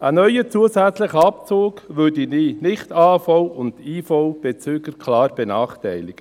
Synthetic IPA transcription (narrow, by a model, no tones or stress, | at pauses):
ənœʏət͡suəsæt͡sləχəɑpt͡soːɡʋødiniːnɪχtɑːfowʊnd̥iːfoʊb̥ɛt͡syːɡəkʰlɑːɾb̥ɛnɑːχtæɪlɪɡ̥ə